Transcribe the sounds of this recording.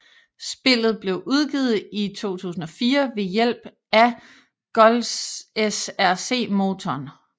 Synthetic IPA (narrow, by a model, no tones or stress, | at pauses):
sb̥e̝l̰ð̞̩ˠb̥le̝ʊʔuð̞ˠɡ̥ḭːð̞̩ˠit͡sʰo̝̰ːt͡sʰṵːsn̩ɒ̽fiːɐʋe̝jel̰b̥ | æ | ɡ̥ɒlsesæɐse̝̰ːmo̝ːt͡sʰɒn